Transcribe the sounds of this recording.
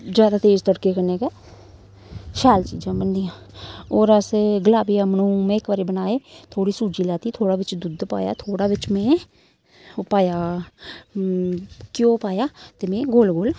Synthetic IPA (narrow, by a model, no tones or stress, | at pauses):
d͡ʒjaːd̪aːt̪eːzt̪əɽkeːkəneːkeː | ʃaːlt͡ʃḭːd͡ʒãːbənd̪ijãː | oːɾəsɡəlaːbiːəmnũːmɛ̃ːɪkʋaːɾeːbənaːeːt̪ʰoːɽiːsuːd͡ʒiːlaːt̪iːt̪ʰoːɽaːʋɪt͡ʃd̪ʊd̪pa̰ːja̰ːt̪ʰoːɽaːʋɪt͡ʃmɛ̃ː | paːjaː | kjõːpaːjaːt̪eːmɛ̃ːɡoːlɡoːl